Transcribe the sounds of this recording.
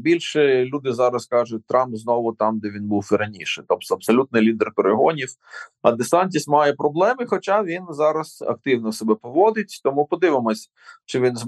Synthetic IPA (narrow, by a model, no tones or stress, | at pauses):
bʲilʲʃɛlʲud̪ɪzɑɾɐskɑʒʊt̚ʲt̪ɾɑmpznɔʋʊt̪ɑmd̪ɛʋʲinbuwiɾɐnʲiʃɪt̪ɔpt̪ɔɐbsɔlʲut̪nɪjlʲid̪erkoɾɪɦɔnʲiwɐ̰d̪ɪsɑnʲt̬ʲismɑjɛpɾɔblˠɛmɪxɔt͡ʃɑʋʲinzɑɾɐz̥ɐ̰k̚t̪ɪwnɔsebɛpɔʋɔd̪ɪtʲt̪ɔmʊpɔd̪ɪʋɪmɔsʲ | t͡ʃɪʋʲinz